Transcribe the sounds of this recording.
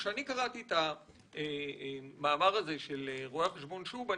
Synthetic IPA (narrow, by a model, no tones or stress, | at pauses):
ʃeanikaʁat̪ieta | e | maːmaʁaze̞ʃeleʁoaχeʃbo̞nʃuba